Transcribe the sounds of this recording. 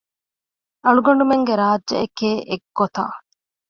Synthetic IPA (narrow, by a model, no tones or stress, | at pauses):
ʔɐɭuɡɐɳ̆ɖumeŋɡeɾaːdd͡ʒʒɐ̰ekeːʔeɡːot̪a̰ː